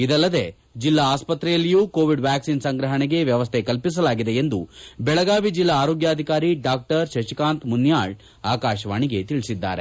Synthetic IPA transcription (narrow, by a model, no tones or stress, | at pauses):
id̪ɐlːɐd̪e̞ | d͡ʒilːaːspɐt̪ɾɛjɐlːijuːkoːʋiɖʋjaːksinsɐŋɡɾɐɦɐɳɛɡe̞ʋjɐʋɐst̪ʰekɐlpis̬ɐlaːɡid̪eend̪ubɛɭɐɡaːʋid͡ʒilːɐːɾoːɡjaːd̪ʱikaːɾiɖaːk̚ʈɐɾʃɐʃikaːnt̪munjaːɭ | aːkaːʃɐʋaːɳiɡet̪iɭisid̪ːa̰ːɾe